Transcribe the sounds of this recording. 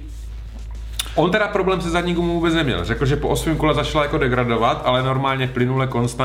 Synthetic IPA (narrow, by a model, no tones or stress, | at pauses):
ʔo̞nt̪ɛdapɾo̞blɛːmsɛzadɲikumuvuːbɛt͡snɛmɲɛ̰lrɛkl̩ʒɛpoʔosmɛːmko̞lɛzat͡ʃlajako̞dɛɡɾado̞vat̪ʔalɛno̞ɾmaːlɲɛplɪnulɛko̞nst̪a